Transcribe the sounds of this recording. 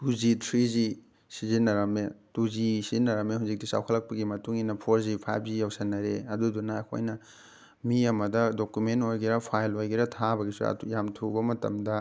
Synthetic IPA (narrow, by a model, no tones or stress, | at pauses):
tuzitʰɾizi | sizinːɐɾɐmetuzisizinːɐɾɐmeɦuzik̚disa̰wkʰɐlːɐk̚pɐɡimɐtuŋinɐpʰoɾzipʰa̰jb̚zijawsɐnːɐɾeɐdudunɐːkʰo̰jnɐ | miɐmɐdɐdokjumentojɡiɾɐpʰajlojɡiɾɐtʰabɐɡisṵɐ̰jamtʰubɐmɐtɐ̰mdɐ